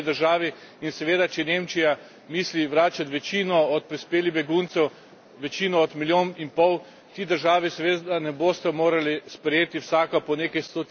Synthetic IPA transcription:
d̪əɾʒaːʋiinsɛʋeːd̪at͡ʃɛɛneːmt͡ʃija | miːsliʋɾaːt͡ʃat̪ʋɛt͡ʃiːnɔɔt̪̚pɾispeːlibɛɡunt̪sɛw | ʋɛt͡ʃiːnɔːt̪miljoːninpɔw | t̪iːd̪əɾʒaːʋisɛʋeːt̪d̪anɛboːst̪ɛmoːɾalispɾɛjeːt̪iwsaːkapɔneːkɐjst̪o

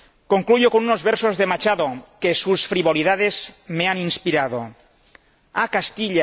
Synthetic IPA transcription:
koŋklujokonunozβɛɾsozðemat͡ʃaðokesusfɾiβoliðað̞ezmeaninspiɾað̞o̰ | akast̪iʎa

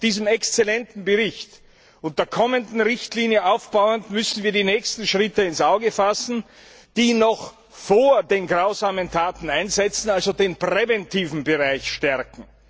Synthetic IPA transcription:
d̥iːzəmɛkst͡sɛlɛntn̩bəʁɪçt | ʊnt̚d̥eːɐkʰɔməndn̩ʁɪçtliːnjəʔaʊfb̥aʊəntmʏsn̩viːɐdinɛːçstn̩ʃʁ̥ɪtəɪnsʔaʊɡəfasn̩ | d̥iːnɔx | foːɐdeːnɡʁaʊzaːməntʰaːtn̩aɪnzɛt͡sn̩alzodeːnpʁ̥ɛvɛntʰiːvn̩bəʁaɪçʃtɛɐkŋ̩

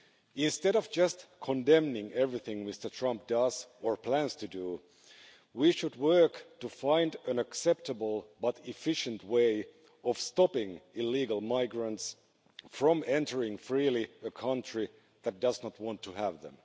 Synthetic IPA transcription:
ɪ̃nstɛɾʌvd͡ʒʌstkʰə̃ndɛ̃mnɪ̃ŋɛvɹiθɪ̃ŋmɪstə˞tʰɹ̥ʌ̃mp̚d̥ʌz̥ə˞pʰl̥æ̃nz̥tʰɨdu | wiʃɨd̚wɜ˞ktɨfãɪ̃ndɨ̃nɨksɛp̚təbl̩ˠbʌɾɪfɪʃɨ̃nt̚weɪ | ʌv̥stɑpɪ̃ŋɪliɡl̩ˠmaɪɡɹə̃nts | fɹʌ̃mɛ̃ntə˞ɪ̃ŋfɹilˠiəkʰʌ̃nt͡ʃɹ̥i | ðɨt̚d̥ʌznət̚wɑ̃ntʰəəvðə̰̃m

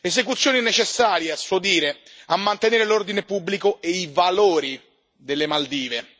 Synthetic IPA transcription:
ezek̬ut̪sːjoːninet͡ʃesːaːɾjeasːod̪iːɾeamːant̪eneːɾelord̪inepubːlikoeivaloːɾi | d̪elːemald̪iːve

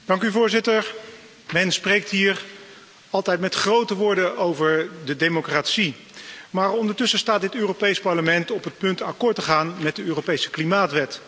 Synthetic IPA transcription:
d̥ɑŋkyvʊːɹzɪtəɹ | mɛnsprejk̚tɦiːr | ɑlˠtɛjtmɛtχrowtəʋʊːɹdəʔowvəɹdədejmokraːtsi | maːrɔndəɹtɵsəstaːt̚dɪtøːropejspɑɹləmɛntɔpət̚pɵntakɔɹtəχaːnmɛt̚dəøːropejsə̥klimaːtʋɛt

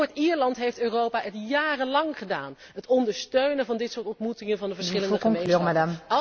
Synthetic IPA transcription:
ɹtiːɹlɑntɦejftøːrowpaːʔətjaːrənlɑŋχəda̰ːn | ɦətɔndəɹstøɥnənvɑndɪtsʊːɹtɔntmutɪŋənvɑndəvəɹsχɪləndəχkɔŋmeklømadam

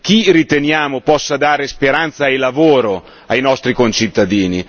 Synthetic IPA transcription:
k̟irit̪enjaːmopɔsːad̪aːɾespeɾant̪sajlavoːɾo | ajnɔst̪ɾikont͡ʃit̪ːad̪iːni

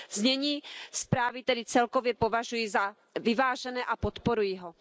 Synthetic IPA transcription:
zɲɛɲiːspɾaːvit̪ɛdɪt͡sɛlkovjɛpo̞vaʒujiza | vɪvaːʒɛnɛːʔapot̪poɾujiɦo

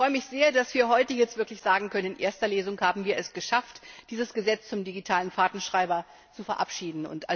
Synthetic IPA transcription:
fʁɔʏəmɪçz̥eːɐdasv̥iːɐɦɔʏtəjɛt͡stvɪɐklɪçz̥aːɡŋ̩kʰœnənɪnʔḛːɐstɐleːzʊŋhaːbm̩viːɐɛsɡ̥əʃaftd̥iːzəsɡ̥əzɛt͡st͡sʊmdiɡitʰaːlənfaːtn̩ʃʁ̥aɪbɐ | t͡sufɛɐʔapʃiːdn̩ʊ̰nta̰

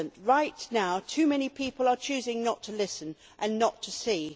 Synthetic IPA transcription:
ə̃nʔɹaɪʔnaʊtʰʉmɛñipʰiˑpəlˠət͡ʃʰʉːzɪ̃ŋnətʰəlɪsə̃n | ʔə̃nːətʰəsiː

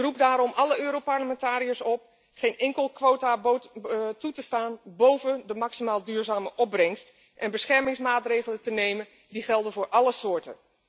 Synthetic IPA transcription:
rup̚daːɾɔmʔɑləøːɾopaɹləmɛntaːɾijəsɔp̚ | χejnɛŋkəlˠkʋowtabotutəstaːnbowvədəmɑksimaːlˠdyːɹzaːməʔɔb̚rɛŋst | ʔɛnbəsχɛɹmɪŋsmaːtrejχələtənejmən | diχɛlˠdənvʊːɹʔɑləsʊːɹtə̰n

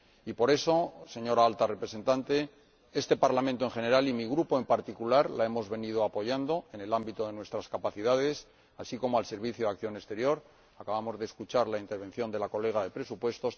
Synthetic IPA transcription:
ipo̞ɾe̞so̞se̞ɲo̞ɾaalt̪are̞pɾe̞se̞nt̪ant̪e̞ | e̞st̪e̞paɾlamẽnt̪oe̞ŋχe̞ne̞ɾalimiɣ̞ɾupo̞e̞mpaɾt̪ikulaɾlae̞mo̞zβe̞nið̞o̞apo̞ʝand̪oe̞ne̞lambit̪o̞ðe̞nwe̞st̪ɾaskapaθiðaðe̞s | asiko̞moalse̞ɾβiθjoðak̚θjo̞ne̞st̪e̞ɾjo̞ɾ | akaβamo̞zðeːskut͡ʃaɾlaint̪e̞ɾβ̞ẽ̞n̟θjo̞nd̪e̞lako̞le̞ɣ̞aðe̞pɾe̞supwe̞st̪o̞s

